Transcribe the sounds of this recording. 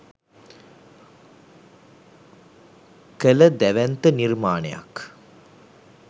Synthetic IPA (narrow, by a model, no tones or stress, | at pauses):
kələd̪æʋænt̪ənirmaːnḛja̰k